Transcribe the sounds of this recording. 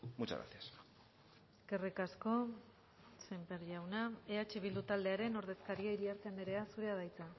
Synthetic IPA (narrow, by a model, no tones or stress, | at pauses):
mut͡ʃa̰ɾa̰θias | kerekasko̞ | sempeɾʎawnaeat͡ʃeβild̪ut̪ald̪e̞aɾe̞no̞ɾðe̞skaɾiaiɾiaɾt̪end̪eɾe̞asuɾe̞aðajt͡sa